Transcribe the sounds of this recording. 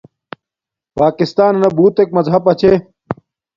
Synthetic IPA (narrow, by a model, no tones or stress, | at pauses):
paːkist̪aːnnɐbuːt̪ek̚mɐzɦɐpɐt͡ɕʰe